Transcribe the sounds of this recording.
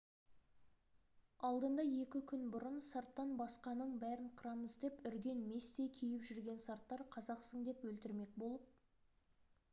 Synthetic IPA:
ɑlˠd̪ənd̪ɑje̞kʲɪkʲʰʏnbʊɾənsaɾt̪ːɑnbɑsqɑnəɴbæɾɪɴqʰʊɾɑməzd̪e̞pʏɾɡʲe̞nme̞st̪e̞kʲʰijɪpʒʏɾɡʲe̞nsɑɾt̪ːɑɾqʰɑzɑqsəɴd̪e̞pwɵlt̪ɪɾme̞k̚bo̞lˠəp̚

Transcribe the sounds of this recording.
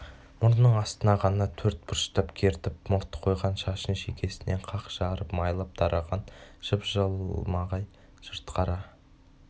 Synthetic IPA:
mʊɾnəɴɑst̪ənɑʁɑnɑt̪ʰɵɾt̪̚bʊɾʃt̪ɑpkʲʰe̞ɾt̪ɪp̚mʊɾt̪ə̥qʰo̞jʁɑnʃɑʃənʃekʲe̞sɪne̞ɴqʰɑqʒ̥ɑɾəpmɑjlˠɑp̚d̪̥ɑɾʔɑʁɑnʒ̥əpʒəlˠmɑʁɑj | ʒ̥əɾt̪qʰɑɾɑ

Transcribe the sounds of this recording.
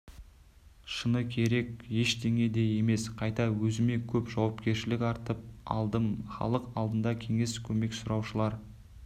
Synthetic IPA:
ʃənəkʲʰe̞ɾe̞kje̞ʃd̪e̞ŋe̞d̪e̞je̞me̞sqʰɑjt̪ɑwɵzɪme̞kʲʰɵpʒɑwɑpkʲe̞ɾʃɪlɪkɑɾt̪əp̚ɑ̰lˠd̪əmχɑ̰lˠəqɑlˠd̪ənd̪ɑkʲʰe̞ŋe̞skʲʰɵme̞ksʊɾɑwʃəlˠɑɾ

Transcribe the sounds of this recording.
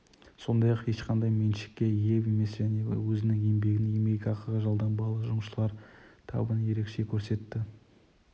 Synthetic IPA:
so̞nd̪ɑjɑqje̞ʃqʰɑnd̪ɑjmenʃɪ̥kʲːe̞je̞we̞me̞sʒæne̞wɵzɪnɪŋe̞mbe̞ɡʲɪnembe̞ɡʲɑqʰəɾʁəʒɑlˠd̪ɑnbɑlˠəʒʊməʃəlˠɑɾt̪ʰɑ̰wbənje̞ɾe̞kʃe̞kʲʰɵɾse̞t̪ːɪ

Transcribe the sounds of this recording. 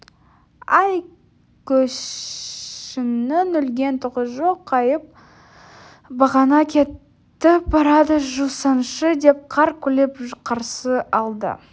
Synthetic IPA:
ɑj | kʲʰɵʃ | ɪnɪnʏlɡʲe̞nt̪ʰʊʁəʒo̞qʰːɑjəp̚ | bɑʁɑnɑkʲʰe̞t̪ː | ɪbɑɾɑd̪əʒusɑnʃəd̪e̞p̚qʰɑɾkʲʰɵlepqʰɑɾsəɑlˠd̪ə̰

